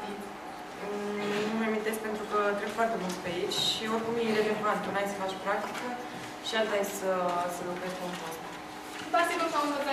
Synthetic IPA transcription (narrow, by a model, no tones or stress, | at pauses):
i | numeamint̪esk̚pe̞nt̪ɾukət̪ɾeb̥foart̪e̞mult̪speait͡ʃʲʃioɾkumjeɾe̞le̞vant̪unajsəfat͡ʃʲpɾak̚t̪i̥kə | ʃiat̪ajesəsəlukɾeʃpunpost̪ | pat̪ikosamvot̪a